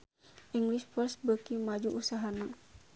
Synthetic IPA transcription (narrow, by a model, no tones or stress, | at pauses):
ʔiŋɡliʃfɔrsbəkimad͡ʒuʔusaɦana